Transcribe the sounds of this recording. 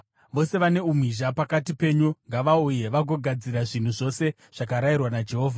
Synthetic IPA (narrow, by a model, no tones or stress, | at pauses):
ʋo̞se̞ʋane̞umwiʒapakatipe̞ɲuŋɡaʋauje̞ʋaɡʱo̞ɡʱad͡ziɾaʐin̤uʐo̞se̞ | ʐ̥ak̬aɾairwanad͡ʒe̞ɦo̞ːvʱa